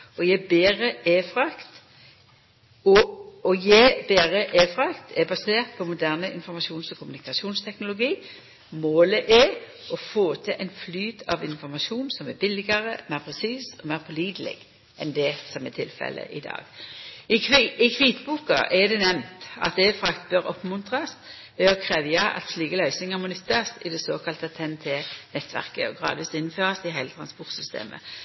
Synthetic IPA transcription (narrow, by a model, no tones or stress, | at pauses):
ɔjæbeːʁəeːfʁɑkt̪ | ɔɔjæɪbeːʁəʔeːfʁɑkt̪ʰɛbɑseːʁt̪̚pʰɔmʊd̪æʁnəʔɪnfɔɾmɑʃuːnsɔkʰʊmʉnɪkɑʃuːnst̪ʰɛknʊlʊɡiː | moːləʔɛ | ɔfoːt̪ʰɪlʔɛɪnflyːd̪ɑ̰ʋɪnfɔɾmɑʃuːnsɔmɛbɪlɪɡəʁəmæpʰʁɛsiːsɔmæɪʁpʰɔliːd̪lɪ̰ɡ | ʔɛnd̪ɛsɔmɛt̪ʰɪlfɛ̰lə̰ʔɪd̪ɑ̰ːɡ̥ɪɪkʰʋiːt̪buːkɑ̰ʔɛd̪ɛnɛmnt̪ɑ̰t̪̚d̪ɛfɾɑkt̪bøɾɔpmʉnt̪ʁɑs | ʋɛɔkʰʁɛːʋjɑʔɑ̰t̪sliːkəlœʏsɪŋɑmɔnʉt̪ːɑsɪd̪ɛsoːkʰɑlt̪ət̪ʰɛnt̪ʰenɛt̪ːʋæ̰ʁkə̰ɔɡʁɑ̰ːd̪ʋiːsɪnːn̩føːʁɑsɪɦæɪlət̪ʰʁɑnspɔʁt̪sʏst̪ḛːmə̰